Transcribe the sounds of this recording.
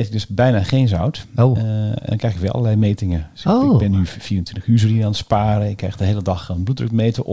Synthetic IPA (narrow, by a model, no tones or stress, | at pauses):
etɪɡ̚døsbɛjnaχejnzɔwto̰ndɔŋkrɛjxɪkʋɛlˠʔɑ̰əlɛjmejtɪŋəobɛnyfiːəntʋɪntəxyːsrinəaːnətspaːɾəɪkːɛjxdəɦejlədɑxənblutdrøkmejtə